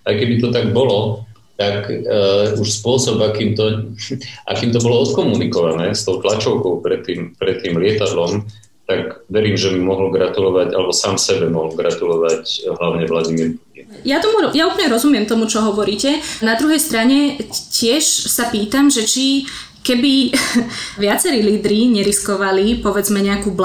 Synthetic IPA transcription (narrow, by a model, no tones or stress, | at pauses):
ajkɛbit̪ɔt̪aɡ̚bɔlɔ | t̪ak | uʃspʊɔsɔbakiːmt̪ɔ | ʔa̰kiːmt̪ɔbɔlɔɔt̪kɔmunikɔʋanɛːst̪ɔʊt̪lat͡ʃɔʊkɔʊpɾɛt̪ːiːmpɾɛt̪ːiːmlɪɛt̪ad̪lɔm | t̪aɡʋɛɾiːmʒɛmimɔɦl̩ɡɾat̪ulɔʋaɟalɛbɔsaːmsɛbɛmɔɦɔlɡɾat̪ulɔʋacɦlaʊɲɛʋlaɟimiɾpucin | jat̪ɔmuɾɔjauːpl̩ɲɛɾɔzumɪɛmt̪ɔmut͡ʃɔɦɔʋɔɾiːcɛnad̪ɾuɦɛjst̪ɾaɲɛcɪɛʃsapiːt̪amʒɛt͡ʃi | kɛbi | ʋɪat͡sɛɾiːliːd̪ɾiɲɛɾiskɔʋalipɔʋɛd͡zmɛɲɛakuːbl